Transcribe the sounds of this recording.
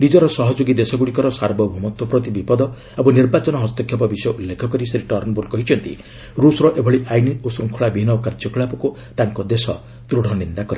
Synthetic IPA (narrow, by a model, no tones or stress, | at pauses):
nid͡ʒɔɾɔsɔɦɔd͡ʒoɡid̪esɔɡuɽikɔɾɔsaɾbɔbʱumɔt̪ɔpɾɔt̪ibipɔd̪ɔ | abuniɾbat͡ʃɔnɔɦɔst̪ɔkʰjɔp̬ɔbisɔjɔʔulːekʰɔkɔɾisɾiʈɔɾnɔboɾkɔɦit͡ʃʰɔnt̪ḭ | ɾusɾɔʔebʱɔɭiʔajniosɾuŋkʰuɭabʱiɦinɔkaɾd͡ʒɔkɭapɔku | t̪aŋkɔd̪esɔ̰ | t̪ɾuɽ̤ʱɔnind̪akɔɾe